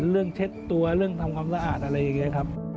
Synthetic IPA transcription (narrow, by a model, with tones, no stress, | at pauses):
ɾɯ˥˩əŋt͡ɕʰe˦˥t̪ːu˧ɐɾɯ˥˩əŋt̪ʰa˧mkʰwaː˧msa˧ʔaː˨˩t̪̚ʔa˧ɾa˧jːa˨˩ŋːi˦˥ɐkʰa˦˥p̚